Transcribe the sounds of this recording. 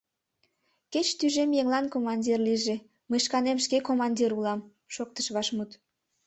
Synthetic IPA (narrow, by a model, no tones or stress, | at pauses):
ket͡ɕt̪yʒemjeŋlɑnkomɑnʲdʲirliʒe | məjʃkɑnemʃkekomɑnʲdʲiɾulɑm | ʃok̚t̪ə̥ʃβɑʃmut̪